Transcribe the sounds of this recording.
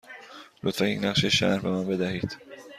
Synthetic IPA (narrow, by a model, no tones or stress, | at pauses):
lot̪fæniːnæχʃeʃæ̰ɾbemænbe̞d̪æhiːd̪̥